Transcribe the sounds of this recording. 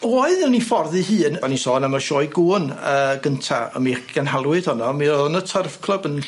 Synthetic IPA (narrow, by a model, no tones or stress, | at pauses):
oɨðɪlnifɔrðɨɦɨːnɔnisɔːnamaʃɔːjɡuːnəɡəntʰa̰ə̰miɡ̥anɦalˠwɨd̥hɔnɔmiɔnətʰərv̥kʰlˠəbən